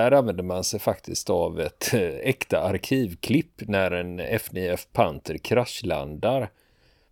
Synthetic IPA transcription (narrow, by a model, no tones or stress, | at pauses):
æɾanvɛnd̪əɾmansɛjfakt̪ʰɪst̪avɛt̪ɛkt̪aaɾkʰiːvkʰlɪpːnæɾɛnɛfnɪɛfpʰant̪ʰəɾkʰɾaʃla̰nd̪aɾ